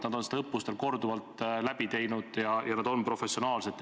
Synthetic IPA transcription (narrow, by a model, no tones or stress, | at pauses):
nɑd̪̥o̞nse̥d̪eɤpːust̪e̞lko̞rd̪uvɑlt̪ːˑlæbit̪e̞jnud̪̥jɑjɑnɑd̪o̞npro̞fe̞sionɑːlse̞t̪ː